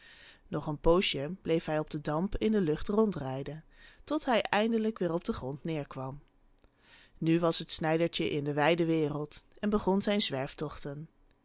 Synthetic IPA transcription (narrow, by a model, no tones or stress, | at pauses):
nɔχənpowʃiəmblejfɦɛjɔb̚dədɑmpɪndəlɵχtrɔntrɛjdəntɔtɦɛjʔɛjndələkʋɪːrɔb̚dəχrɔntnɪːɹkʋɑm | nyʋɑsɦətsnɛjdəɹt͡ʃəʔɪndəʋɛjdəʋɪːrəlˠtɛnbəχɔnzɛjnzʋɛɹftɔχtən